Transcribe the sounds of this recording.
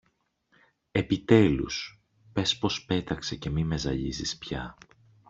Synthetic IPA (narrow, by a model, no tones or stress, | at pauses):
e̞pit̪e̞lṵs | pe̞spo̞spe̞t̪ɐkse̞ce̞mime̞zɐʎizispçɐ